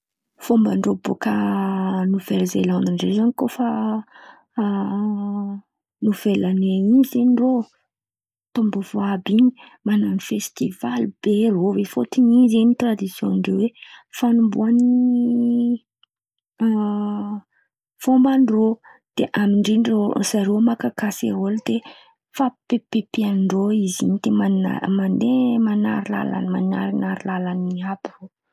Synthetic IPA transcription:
fombəɳɖ͡ʐobo̰kə | nuveɾzelaniɳɖ͡ʐezanikofa | nuv̥elaneaŋizeniro | t̪umbəv̥oabiɲi̥ | mananifest̪ivalib̥erovefot̪iɲizeɲit̪rad̪isjonɳɖ͡ʐewefanumbuaniii | fombaɳɖ͡ʐo | d̪̥eʔamiɳɖ͡ʐiɳrosaɾomakakaseɦold̪̥e | fapepepiaɳɖ͡ʐoizḭɲid̪̥emana̰mand̪emanaɾila̰la̰nma̰na̰ɾinaɾilalaniabiro

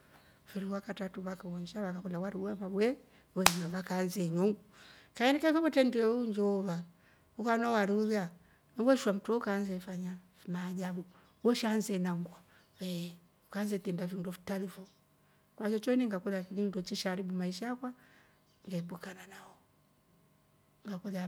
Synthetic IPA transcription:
fiɾiwakatatuβakawɔɲd͡ʒaβakakulawaɾiwamabwɛ | wɛɲɲaβakanzɛɲɔŋukaɛnikafaβɔtɛndɛɛuɲd͡ʒɔɔβa | ukanɔwaɾiuðja | nɛwɛʃwam̩tɔukanzɛfaɲa | mad͡ʒabu | wɔʃanzɛnaŋɡwa | ɛ | ukanzɛtɛndavindɔfi̥talifɔ | kwat͡ʃɔt͡ʃɔiniŋɡakuðakinindɔt͡ʃiʃaɾibumaiʃaakwa | ŋɡɛbukananahɔ | ŋɡakuða

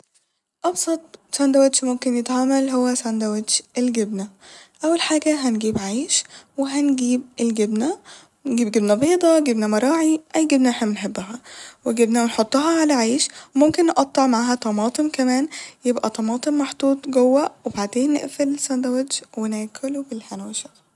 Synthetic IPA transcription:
ʔɑbsˤɑt̪ˤsænd̪æwæd̪ʃmomkenjet̪hamælɦowːæsænd̪æwæd̪ʃelɡebnæʔæwːælħaːɡæɦænɡiːbʕajʃweɦænɡiːbelɡebnæ | nɡiːbɡebnæbeːd̪ˤɑɡebnæmɑɾˤɑːʕiʔæjɡebnæħemːnħebːæɦæweɡebnæwenħot̪ˤːɑɦɑʕalæʕajʃwemomkenːʔɑt̪ˤːɑʕmaʕaɦæt̪ˤɑmɑːt̪ˤemkæmæːnjebʔæt̪ˤɑmɑːt̪ˤemmɑħd̪ˤuːt̪ˤɡowːæwebaʕd̪eːnːḛʔfelsænd̪æwed̪ʃwenæːkʰolbelħænweʃæ

